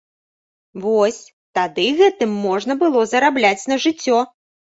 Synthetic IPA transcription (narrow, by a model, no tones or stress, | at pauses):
vɔsʲ | t̪ad̪ɨɣɛt̪ɨmːɔʐnɐbɨlˠɔzɐɾablʲat͡sʲnɐʐɨt͡sʲːɔ